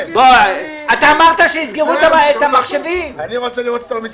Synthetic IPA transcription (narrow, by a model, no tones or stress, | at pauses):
bo | at̪aːmaʁt̪aʃeizɡeʁut̪abaet̪amaχʃevimaniʁot͡seliʁot̪e̥t̪almi